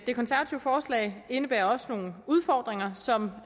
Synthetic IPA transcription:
d̥e̝kʰɒ̽nsæɐʋæt͡sʰiʊəfɒːslɛ̰ɪe̝nəb̥æɐɒ̽sə̥no̝ːn̩uð̞ˠfɒːd̥ʁeŋɐsɒ̽m

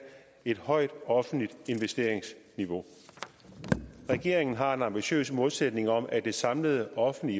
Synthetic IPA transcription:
e̝d̥hɒ̽ɪ̰d̥ɒ̽fn̩lid̥e̝nʋesd̥e̝̰ɐ̰eŋsniʋo̝ | ʁɛɡ̥e̝ɐ̰eŋn̩ɦɑ̈e̝nɑ̈mb̥iɕø̰ːsmolsed̥ne̝ŋɒ̽mæd̥e̝sɑ̈mləð̞ˠəʔɒ̽fn̩li

